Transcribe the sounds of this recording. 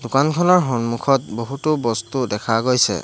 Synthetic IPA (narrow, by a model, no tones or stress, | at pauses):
dʊkankʰɔnɔɹɦɔnmukʰɔt̚boɦutubɔstudɛkʰaɡojsɛ̰